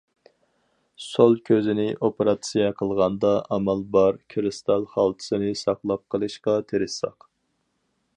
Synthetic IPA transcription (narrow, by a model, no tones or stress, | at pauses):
solˠkʲʰøzɪnɪʔopeɾɑt̪sijɛqʰəlˠʁɑnd̪ɑʔɑmɑlˠbɑɾkʲʰɾɨst̪ɑlˠχɑlˠt̪ʰɨ̥sɨnɪsɑχlˠɑp̚qʰːəlˠɨʃqɑt̪ʰeɾɪsɑ̰q